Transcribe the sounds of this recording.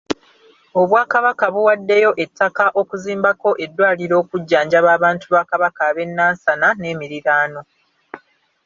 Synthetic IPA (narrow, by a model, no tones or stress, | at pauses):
o̞βwaːkaβakaβuwadːe̞jo̞ʔe̞tʰːakaʔo̞kuziːmbako̞ʔe̞dːwaːliɾo̞ːkuɟːaːɲɟaβaːβaːntuβakaβakaβe̞nːaːnsanane̞ːmiɾiɾaːno̞